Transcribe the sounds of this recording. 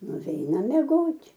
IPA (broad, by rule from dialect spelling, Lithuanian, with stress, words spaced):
nʊˈʋʲɛɪnɐm mʲɛˈɡoːtʲ